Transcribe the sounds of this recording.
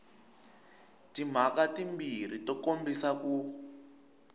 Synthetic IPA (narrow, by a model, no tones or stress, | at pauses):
tim̤akatimbir̤itɔkombisaku